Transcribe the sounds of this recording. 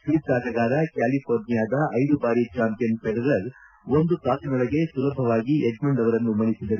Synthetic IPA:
kiisaːɾɐɡaːɾɐkaːlipʰoːɾnijaːd̪ɐʔɐjd̪ubaːɾit͡ʃaːmpijɐnpɛɽɐɾɐɾ | ond̪ut̪aːsinɐɭɐɡe̞sulɐbʱɐʋaːɡieɡmɐɳɖɐʋɐɾɐnːumɐɳisid̪ɐɾu

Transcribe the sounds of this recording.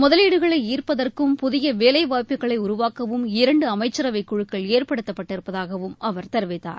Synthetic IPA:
mʊðɐliːɽɯɣɐɭɐɪiːrpɐðɐrkɯmpʊðɪjɐʋeːlɐɪʋaːpɪɣɐɭɐɪʊɾʊʋaːkɐʋɯmɪɾɐɳɖɯɐmɐɪt͡ʃːɐɾɐʋɐɪkːʊɻɯkːɐɭeːrpɐɽɯt̪ːɐpːɐʈːɪɾɯpːɐðaːɣɐʋɯmʔɐʋɐɾt̪ɐɾʋɪt̪ːa̰ːɾ

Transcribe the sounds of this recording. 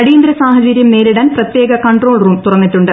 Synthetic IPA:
ɐɽiːnd̪ɾɐsaːɦɐd͡ʑɐɾjɐmneːɾiɽaːnprɐt̪je̞ːɡɐkɐɳʈro̞ːɭruːmt̪urɐnːitːuɳɖɨ

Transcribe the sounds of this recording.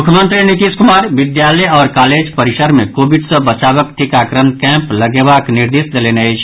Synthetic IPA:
mukʰjəmənt̪ɾinit̪iskumaɾbid̪jalɛjɔːɾkaled͡ʒpəɾisəɾmekobiɖsə̃bət͡ʃabəkʈʰikakɾənkɛ̃mpləɡebakniɾd̪isd̪eleneəjt͡ʃʰ

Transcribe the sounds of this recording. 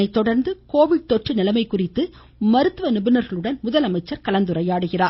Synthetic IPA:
ɐɪt̪ːɔɽɐɾnd̪ɯkoːʋɪɽ̚t̪ɔʈrɯnɪlɐmɐɪkːʊrɪt̪ːɯ | mɐɾɯt̪ːɯʋɐnɪbɪnɐɾɣɐɭɯɽɐnmʊðɐlɐmɐɪt͡ʃːɐɾkɐlɐnd̪ɯrɐjaːɽɯɣɪraː

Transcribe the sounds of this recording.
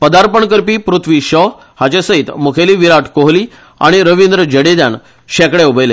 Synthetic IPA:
pəd̪aɾpəɳkəɾpiːpɾut̪ʰʋiːɕɔ | hat͡ɕesəit̪mukʰeliːʋiɾaʈʰkoɦliː | a̰ɽ̃iɾəʋind̪ɾəd͡ʑəɽed̪jan | ɕɛkɽeubəjle

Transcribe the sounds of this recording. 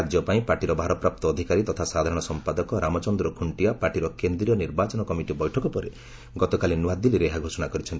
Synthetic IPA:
d͡ʒjɔpaĩpaɾʈiɾɔbʱaɾɔpɾap̚t̪ɔːd̪ʱikaɾit̪ɔt̪ʰasad̪ʱaɾɔɽ̃ɔsɔmpad̪ɔkɔɾamɔt͡ʃɔnd̪ɾɔkʰuɳʈiapaɾʈiɾɔkend̪ɾijɔniɾbat͡ʃɔnɔkɔmiʈibɔjʈʰɔkɔpɔɾe | ɡɔt̪ɔkalinuad̪iliɾeɦaɡʱosɔnakɔɾit͡ʃʰɔnʈ

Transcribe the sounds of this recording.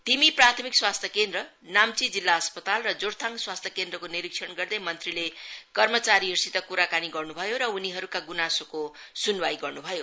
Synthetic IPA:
t̪imiprat̪ʰʌmikswast̪ʰjʌkend̪rʌ | namt͡sid͡zilːaʌspʌt̪alrʌd͡zoɾt̪ʰãŋɡswast̪ʰjʌkend̪rʌkoniɾikʂʰʌnɡʌrd̪ʌjmʌnt̪rilekʌrmʌt͡saɾiɦirsit̪ʌkuɾakaniɡʌrnubʱʌjoɾʌuniɦʌɾukaɡunasoko | sunwajɡʌrnubʱʌjo

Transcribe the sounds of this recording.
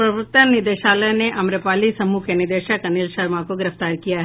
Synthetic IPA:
pɾɐbʊk̚t̪ənnɪd̪eːʃaːləjneʔɐmɾəpaːlisɐmukʰenɪɾd̪eːʃəkɐnilʃɐɾmãkoɡɪɾəft̪aːɾkijaɦɛ

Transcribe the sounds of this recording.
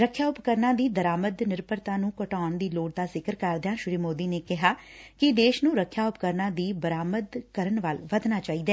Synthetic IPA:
ɾəkʰːjaːʊpkəɾnãːd̪iːd̪əɾaːməd̪nɪɾpəɾt̪ãːnũːkəʈaːɳd̪iːloːɽd̪aːzɪkəɾkəɾd̪jãːʃʊɾiːmoːd̪iːneːkɪɦaːkɪd̪eːʃnũːɾəkʰːjaːʊpkəɾnãːd̪iːbəɾaːməd̪kəɾəɳʋalʋəd̪naːt͡ʃaːiːd̪ɛː

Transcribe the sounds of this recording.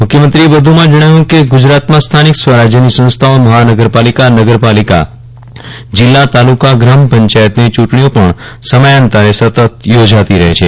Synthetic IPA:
mʊkʰjəmənt̪ɾiebəd̪ʱumãd͡ʒəɽ̃aɦũkeɡʊd͡ʒɾat̪mãst̪ʰanikswəɾad͡ʒjənisə̃ñst̪ʰaoməɦanəɡəɾpalikanəɡəɾpalika̰ | d͡ʒɪlːat̪alukaɡɾampə̃ɲt͡ʃajət̪nit͡ʃuʈɳiõpəɳ | səməjant̪aɾesət̪ət̪jod͡ʒat̪iɾəɦḛt͡ʃʰe

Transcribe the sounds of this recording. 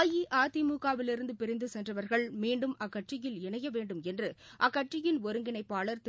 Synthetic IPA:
jiʔaːt̪imuːkaːʋɪlɪɾɯnd̪ɯpɪɾɪnd̪ɯsɛndrɐʋɐɾɣɐɭmiːɳɖɯmɐkːɐʈrɪjɪlɪɳɐjɐʋeːɳɖɯmɛndrɯʔɐkːɐʈt͡ʃɪjɪnɔɾɯŋɡɪnɐɪpːaːɭɐɾt̪

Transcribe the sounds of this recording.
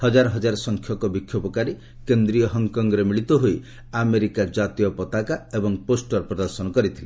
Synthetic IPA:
hɔd͡ʒaɾɔɦɔd͡ʒaɾɔsɔŋkʰjɔkɔbikʰjɔpɔkaɾe | kend̪ɾijɔɦɔŋkɔŋɡɔɾemiɭit̪ɔɦoj | ameɾikad͡ʒat̪ijɔpɔt̪akaebɔŋposʈɔɾpɾɔd̪ɔɾsɔnɔkɔɾit̪ʰile

